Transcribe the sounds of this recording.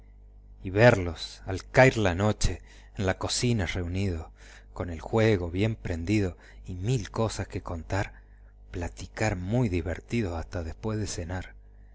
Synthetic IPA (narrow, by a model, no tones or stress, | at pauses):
iβeɾlo̞salkajɾlano̞t͡ʃe̞ː | nlako̞sinare̞unið̞o̞ | ko̞ne̞lxwe̞ɣo̞βje̞mpɾe̞nd̪iðo̞ | imilko̞saskeko̞nt̪aɾ | plat̪ikaɾmujðiβeɾt̪ið̞osast̪aðespwe̞zðese̞naɾ